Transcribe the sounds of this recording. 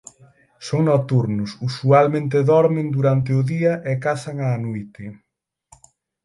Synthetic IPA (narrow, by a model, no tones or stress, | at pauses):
soŋnɔt̪uɾnʊsusualmẽnt̪̬eðɔɾmɪnd̪uɾant̪̬eʊðiɐʔekasaŋaːnojt̪ɪ